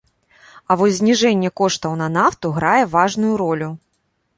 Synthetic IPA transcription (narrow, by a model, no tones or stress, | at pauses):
ɐvɔzʲzʲnʲiʐɛnʲːɛkɔʂt̪ɐwn̪ɐnaft̪uɣɾajɛvaʐnujuɾɔlʲu